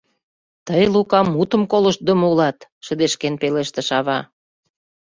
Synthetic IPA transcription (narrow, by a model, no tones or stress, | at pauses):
t̪əjlukɑmːut̪ə̆mkolə̆ʃt̪̚d̪əmulɑt̪ʃə̆d̪eʃkenpeleʃt̪ĕʃɑβɑ